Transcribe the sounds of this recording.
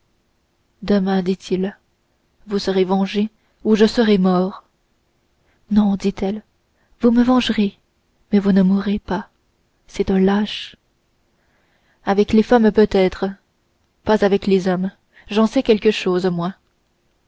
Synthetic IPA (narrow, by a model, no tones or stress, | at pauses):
d̪əmɛ̃d̪it̪ʰil | vusəʁevɑ̃ʒe | uʒəsəʁɛmɔːʁ | nɔ̃d̪it̪ɛl | vuməvɑ̃ʒʁe | mɛvunəmuʁepa | sɛt̪ɛ̃laʃ | avɛklefampøt̪ɛːt̪χə | pazavɛklezɔm | ʒɑ̃sɛkʲɛlkəʃoːzomwɛ̃